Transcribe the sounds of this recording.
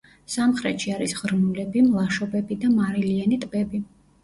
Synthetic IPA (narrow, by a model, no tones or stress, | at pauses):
samχɾɛ̰t̪ʃiaɾisʁɾnulɛbimlˠaʃɔbɛbid̪amaɾilianit̪ʼbɛbi